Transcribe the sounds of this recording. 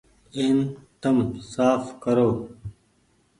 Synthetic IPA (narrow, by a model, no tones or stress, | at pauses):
ent̪ɐmsaːfkɐɾoː